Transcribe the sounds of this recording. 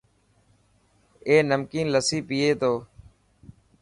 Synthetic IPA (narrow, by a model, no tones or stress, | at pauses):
eːnəmkiːnləsiːpiːeːt̪ʰoː